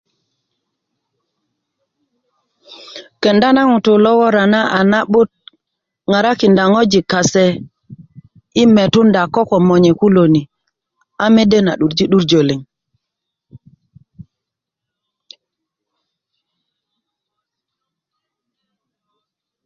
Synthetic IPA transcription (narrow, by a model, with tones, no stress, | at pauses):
ke˨nda˦na˦ŋu˨tu˨lɔ˦wɔ˦ɾa˨na˦ʔa˨na˦ɓu˦t̚ | ŋa˨ɾa˦ki˨nda˨ŋo˦d͡ʒi˨ka˨se˨ | i˦me˨tu˦nda˨kɔ˦kɔ˨mo˨ɲe˨ku˦lo˨ni˨ | a˦me˦de˦na̰˨ɗu˨ɾd͡ʒi˦ɗu˦ɾd͡ʒo˨li˨ŋ